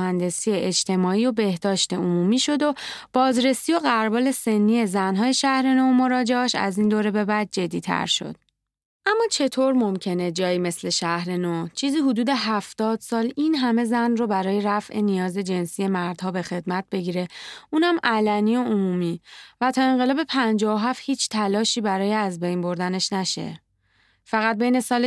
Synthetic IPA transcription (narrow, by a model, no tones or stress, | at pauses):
hænd̪e̞sijeʔed͡ʒt̪ʰe̞mɒːiːo̞be̞hd̪ɒːʃt̪e̞omuːmiːʃo̞d̪o̞b̥ɒːzɾe̞sio̞ɣæɾbɒːle̞se̞nːie̞zænɦɒːje̞ʃæhɾe̞noːmo̞ɾɒːd͡ʒeɒʃæ̰zind̪oːɾe̞be̞bæd̪̚d͡ʒe̞d̪ːiːt̪ʰæ̰ɾʃo̰d̪̥̚ | ʔæmːɒːt͡ʃʰe̞t̪ʰoːɾmomcʰe̞ne̞d͡ʒɒːjiːme̞sle̞ʃæhɾenoːt͡ʃʰiːziːɦud̪uːd̪e̞ɦæft̪ɒːd̪̥sɒːlinɦæme̞zænrobæɾɒːje̞ɾæfʔenijɒːzed͡ʒe̞nsije̞mæɾd̪̥hɒːbe̞xe̞d̪mæt̪̚be̞ɟiːɾe̞ʔuːnæmʔælæniːoomuːmiːvæt̪ʰɒːe̞ŋɢe̞lɒːbe̞pʰænd͡ʒɒːoɦæfhiːt͡ʃʰt̪ʰælɒːʃiːbæɾɒːjeæzbe̞jnbo̞ɾd̪æne̞ʃnæʃe̞̰ | fæɣæt̪̚bejne̞sɒːl